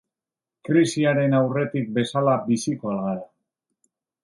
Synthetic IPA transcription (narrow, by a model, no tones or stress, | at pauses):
kɾisiaɾe̞nawre̞t̪ik̚be̞salabisikoalɣaɾa